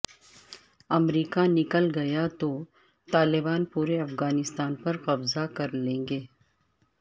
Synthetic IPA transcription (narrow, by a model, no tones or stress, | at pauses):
ɐmɾiːkanɪkəlɡɐjat̪o | t̪aːlɪbaːnpuːɾeɐfɣaːnɪst̪aːnpɐɾqɐbzakɐɾlẽːŋɡeː